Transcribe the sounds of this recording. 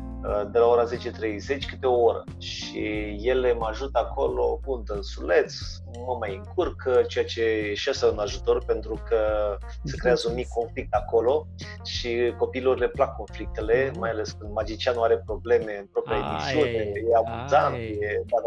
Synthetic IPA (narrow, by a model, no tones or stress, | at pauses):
əd̪e̞lao̞ɾaze̞t͡ʃet̪ɾe̞jze̞t͡ʃʲkɨt̪eo̞oɾə̰ | ʃ | ije̞le̞məaʒut̪əakʰo̞lo̞punt̪əɨnsule̞t̪s | məmajɨŋkurkət͡ʃejat͡ʃe̞eʃasəunaʒut̪o̞rpe̞nt̪ɾukə | sekɾe̞azəunmikʰːo̞nflik̚t̪ako̞lo̞ | ʃiko̞piilo̞rle̞plakʰːo̞nflik̚t̪e̞le̞majale̞skɨnd̪mad͡ʒit͡ʃianuaɾe̞pɾo̞ble̞me̞ɨnpɾo̞pɾiaed̪isunejeabuzant̪jed̪a